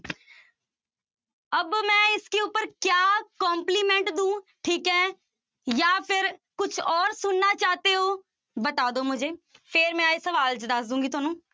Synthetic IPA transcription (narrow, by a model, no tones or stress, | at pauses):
əbmɛ̃ːɪskeːʊpːəɾkjaːkɔ̃ːmpliːmɛ̃ɳʈd̪ũːʈʰiːkɛ̃ː | jaːpʰɪɾkʊt͡ʃʰɔːɾsʊnːaːt͡ʃaːt̪eːoː | bət̪aːd̪oːmʊd͡ʒʱeːpʰeːɾmɛ̃ːesəʋaːlt͡ʃəd̪əsd̪ũːɡiːt̪ʊaːnũː